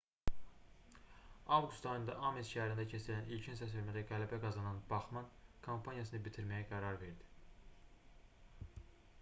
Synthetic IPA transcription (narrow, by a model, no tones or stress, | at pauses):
ɑvɡust̪ɑjɯnd̪ɑ̰ʔɑmesʃæhæɾind̪æcʰesilænilcʰinsæs̬elmæd̪æɡælæbæɡɑzɑnɑnbɑχmɑnkʰompʰɑnijɑsɯnɯbit̪ʰiɾmæjæɡæɾɑɾve̞ɾd̪i̥